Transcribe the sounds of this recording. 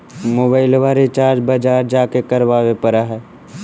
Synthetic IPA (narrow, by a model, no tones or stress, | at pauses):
moːbaːɪlʋaːɾet͡ʃaːɾd͡ʒbəd͡ʒaːɾd͡ʒaːkekəɾʋaːʋepəɾaɦɛː